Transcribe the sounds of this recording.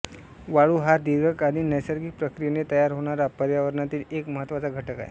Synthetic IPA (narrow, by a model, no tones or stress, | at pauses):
ʋaɭuːɦad̪iɡəkaɽinəjsəɾɡik̚pɾəkɾijenet̪əjaɾɦoɽ̃aɾapəɾjaʋəɾɳat̪iːlekməɦət̪ʋat͡saɡʱəʈəka̰ḛ